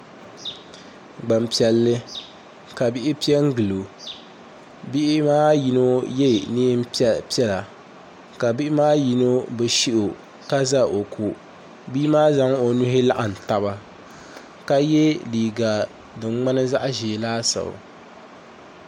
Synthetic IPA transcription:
ɡ͡ba˨mpi˨ɛ˨lːɨ˦ | ka˨bi˦ʔɪ˦pi˦ɛ˦ŋ˦ɡɨ˨lo˨ | bi˦ʔɪ˦maː˦ji˦no˦jɛ˦˨niː˦m˦pi˦ɛ˦la˨ | ka˨bi˦ɪ˦maː˦ji˨no˦bɨ˨ʃi˦ʔo˨ | ka˦za˦ʔo˨kʰu˨ | biː˦maː˦za˦ŋ˦o˨nu˦ɦɪ˦la˦ʔa˨n̩˨ta˨βa˦ | ka˦jɛ˦liː˨ɡa˨ | dɨ˨ŋ͡mŋ͡ma˦nɨ˦za˦ʔʒi˨laː˦sa̰˨

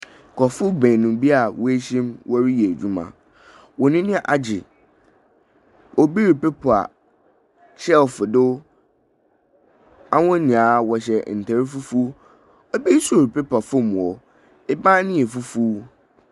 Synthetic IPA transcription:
kʰɔ˨fʊ˦bɛ̃˨nũ˨bi˦a˨wɔ˦e˦ɕĩ˦mwʔɔ˦ɾi˦jɛ˨d͡ʑᶣu˦mã̰˨ | wɔ˨nɪ̃˦nɪ̃˦˨ʔa˨d͡ʑɪ˨ | ɔ˦bi˦ɾi˨pe˦pʰa̰˨ | t͡ɕʰɛ˦lfʊ˨dʊ˦ | a˦wʊ̃˦nĩ˨a˨˦wɔ˨ɕ̬ɛ˨n̩˨tʰa˨ɾi˦fu˦fu˦ | ɔ˦bi˦so˨ɾpʰe˦pʰa˨fʊ˦mũ˨ɔ˨ | ɪ˦bã˦nɪ̃˦ɛ˨fu˦fu˦

